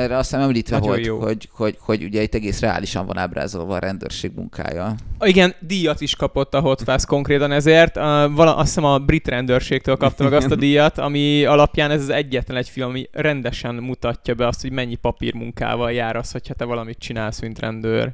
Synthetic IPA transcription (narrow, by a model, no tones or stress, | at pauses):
ɛrːɛɒst̪ɛːmɛmliːt̪ʋɛvolj̪joːhoɟhoɟhoɟṵɟɛit̪ːɛɡeːsrɛa̰ːliʃɒ̰ɱvɒ̰na̰ːbra̰ːzo̰lvɒːɾʔɛnd̪ø̰ːrʃeːɡmṵŋkʰa̰ːjɒiɡɛnd̪ijɒt̪iʃkɒpo̞t̪ːɒɦo̞t̪faːsko̞ŋkɾeːt̪ɒnɛzeːrt̪vɒlɒʔɒssɛmɒbrit̪rɛnd̪øːrʃeːk̚t̪øːlkɒp̚t̪ɒmɛɡɒst̪ɒd̪ijɒt̪ɒmiɒlɒpjaːnɛzzɛɟːɛt̪lɛnɛcfilmɒmirɛnd̪ɛʃɛnmut̪ɒcːɒbɛɒst̪ho̞ɟmɛɲːipɒpḭrmuŋka̰ːvɒljaːɾɒsho̞chɒt̪ɛvɒlɒmit̪̚t͡ʃinaːlsmint̪rɛnd̪ø̰ːr